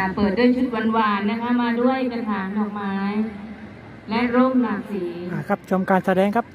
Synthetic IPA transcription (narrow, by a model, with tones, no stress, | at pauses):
a˩pɤː˨˩t̪̚du˥˩ə˨jt͡ɕʰu˦˥t̪̚wa˧nwaː˧nːa˦˥kʰa˦˥maː˧du˥˩əjpa˧nt̪ʰaː˩˦nlɔː˨˩k̚maː˦˥j | lɛ˦˥ʔɾoː˥˩k̚naː˧siː˩˦a˩kʰa˦˥p̚t͡ɕʰo˧mkaː˧nsa˧dɛː˧ŋkʰa˦˥p̚